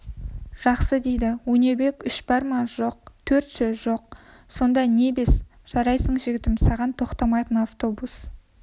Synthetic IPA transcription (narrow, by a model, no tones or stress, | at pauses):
ʒ̥ɑqsəd̪e̞jd̪ɪwɵne̞ɾbe̞kʲʏʃbɑɾmɑʒo̞q̚t̪ʰɵɾt̪ʃeʒo̞q̚ | so̞nd̪ɑne̞be̞s | ʒ̥ɑɾɑjsəɴʒɪɡʲɪt̪ɪmsɑʁɑnt̪ʰo̞qt̪ɑmɑjt̪ənaft̪o̞bus